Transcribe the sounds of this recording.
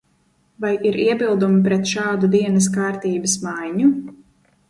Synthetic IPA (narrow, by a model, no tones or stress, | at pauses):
vajiɾʔiɛbilˠd̪umipɾɛt̪ʃaːd̪ud̪iɛnɐs̬kaːɾt̪iːbɐsmajɲu